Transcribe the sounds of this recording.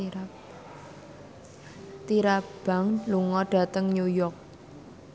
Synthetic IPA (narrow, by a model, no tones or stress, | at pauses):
t̪iɾab̥a̤ŋluŋɔɖ̥a̤t̪əŋɲujɔk̚